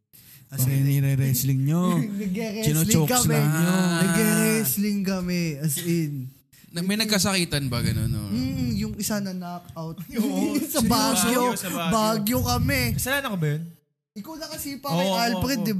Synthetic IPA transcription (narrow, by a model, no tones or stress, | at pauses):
ɐsɛnɛɾɛɾɛslɪŋɲonɐɡɛɾɛkɪnolt͡ʃokkɐmɛɲonɐɡɛɾɛslɪŋkɐmɛɐsʔɛn | mɐjnɐɡɡkɐsɐkiːt̪ɐnbɐɡɐno̰no̰mm̩jʊŋɪsanɐnakʔawt̪̚sɐbaːɡjobaːɡjokɐmɛkɐsɐlaːnɐkobɐjon | ʔɪkawnɐkɐsiːpɐɐjalpɾɛd̪ːɪb